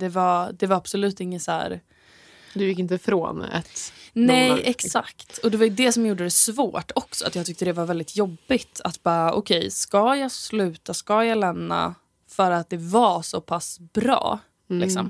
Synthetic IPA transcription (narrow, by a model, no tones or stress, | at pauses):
d̪ɛvad̪ɛvaɾab̥sɔlʉ̟ːt̪ɪŋːəsæ̰ːɾ | d̪ɵjɪkːɪnt̪əfɾo̰ːnɛ̰t̪ːnɛjɛksakt̪ɔd̪ɛvaɾjɵd̪ɛsɔmjuːɖəd̪ɛsvoːʈɔksɔat̪jɑɡ̚t̪ʏkt̪əd̪ɛvaɾvɛld̪ɪt̪ʰjɔbːɪt̪ʰat̪bɑːɾaʔɔkʰɛjskɑjɑːslʉ̟ːt̪askɑjɑːlɛmna̰ | fœɾat̪̚d̪ɛvasɔpʰasb̥ɾɑ̰ː | lɪksɔm